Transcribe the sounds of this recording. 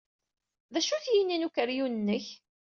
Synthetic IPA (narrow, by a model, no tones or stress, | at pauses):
ðæʃuθjininukəɾjunənːəç